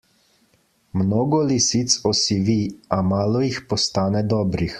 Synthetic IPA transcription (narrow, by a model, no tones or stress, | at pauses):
mnoːɡɔlisit̪sɔsiʋiamaːlɔjixpɔst̪aːnɛd̪ɔːbɾix